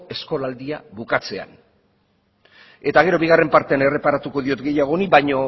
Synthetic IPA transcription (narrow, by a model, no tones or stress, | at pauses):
e̞sko̞lald̪iaβukat͡se̞a̰n | e̞t̪aɣ̞e̞ɾo̞βiɣ̞are̞mpaɾt̪e̞ane̞re̞paɾat̪uko̞ðio̞t̪ɡe̞jaɣ̞o̞niβajɲo̞